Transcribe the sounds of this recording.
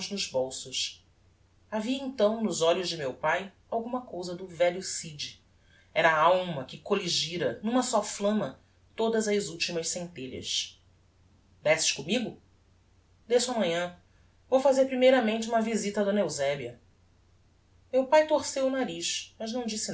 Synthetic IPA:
znʊʒbowsʊs | aviɐẽnt̪ɐ̃w̃nʊzɔʎʊzd͡ʒɪmewpaj | awɡũmɐkowzɐd̪ʊvɛʎʊsid͡ʒi | ɛɾɐːawmɐkɪkoliʒiɾɐnũmɐsɔflɐ̃mɐ | t̪od̪ɐzɐzuwt͡ʃimɐʃsẽnt̪eʎɐ̰s | d̪ɛsɪ̥ʃkõmiɡʊ | d̪esʊɐmɐ̃ɲɐ̃ | vowfazeɾpɾimejɾɐmẽnt͡ʃɪũmɐvizit̪ɐd̪õnɐewzɛbiɐ | mewpajt̪oɾsewʊnaɾiʃmɐʒnɐ̃w̃d͡ʒisɪ

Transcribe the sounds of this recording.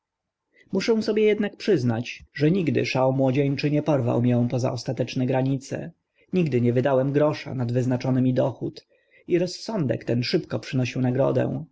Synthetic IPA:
muʂɛw̃sɔbʲjɛjɛd̪nak̚pʂɘznat͡ɕʐɛɲiɡd̪ɘ̰ʂawmwɔd͡ʑeɲt͡ʂɘɲɛpɔɾva̰wmjɔ̃w̃pɔza̰ʔɔst̪at̪ɛt͡ʂnɛɡɾaɲit̪sɛ̰ | ɲiɡd̪ɘɲɛvɘd̪awɛmɡɾɔʂa̰nad̪vɘznat͡ʂɔnɘmʲid̪ɔxut̪ | iɾɔsːɔnd̪ɛ̰kt̪ɛnʂɘpkɔpʂɘnɔɕiwnaɡɾɔ̰d̪ɛ̰̃

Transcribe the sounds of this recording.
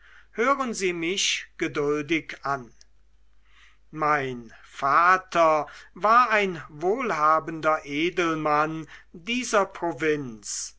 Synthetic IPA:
høːʁənziːmɪʃɡ̥ədʊldɪkʔan | maɪnfaːtʰɐvaːɐaɪnvoːlhaːbəndɐʔeːdəl̩mandiːzɐpʁ̥ovɪns

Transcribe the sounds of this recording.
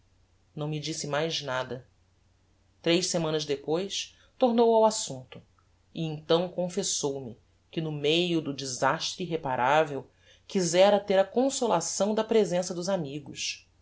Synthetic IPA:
nɐ̃w̃mid͡ʒisɪmajznad̪ɐ | t̪ɾejʃsemɐ̃nɐzd̪epojs | t̪oɾnowawasũnt̪ʊ̥ | iẽnt̪ɐ̃w̃kõfesowmi | kɪnʊmejʊd̪ʊd͡ʒizaʃt̪ɾɪiɦepaɾʔavew | kizɛɾɐt̪eɾɐkõsolasɐ̃w̃d̪ɐpɾezẽsɐd̪ʊzamiɡʊs

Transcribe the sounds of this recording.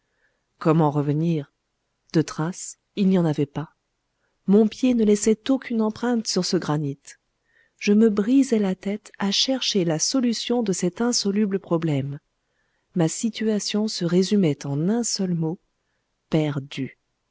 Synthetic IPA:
kɔmɑ̃ʁəvəniʁ | d̪̥ət̪χas | ilnijɑ̃navɛpa | mɔ̃pjenəlɛsɛt̪okʰʲynɑ̃pχɛ̃t̪syʁsəɡʁanit̪ | ʒəməbʁizɛlat̪ɛt̪aʃɛʁʃelasɔlysjɔ̃d̪əsɛt̪ɛ̃sɔlybləpχɔblɛmː | asit̪yasjɔ̃səʁezymɛt̪ɑ̃nɛ̃sœlmo | pɛʁd̪y

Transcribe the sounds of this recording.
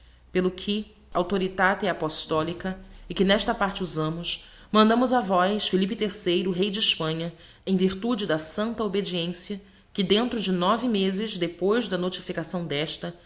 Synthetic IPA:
pelʊkʰɪ | awt̪oɾit̪at̪ɛapoʃt̪ɔlikɐɪkɪnɛʃt̪ɐpaɾt͡ʃɪuzɐ̃mʊs | mɐ̃nd̪ɐ̃mʊzɐvɔjsfilipɪt̪eɾsejɾʊɦejd͡ʒɪɪʃpɐ̃ɲɐ | ẽj̃viɾt̪ud͡ʒɪd̪ɐsɐ̃nt̪ɐobed͡ʒiẽsjɐ | kɪd̪ẽnt̪ɾʊd͡ʒɪnɔvɪmezɪzd̪epojzd̪ɐnot͡ʃifikasɐ̃w̃d̪ɛʃt̪ɐ

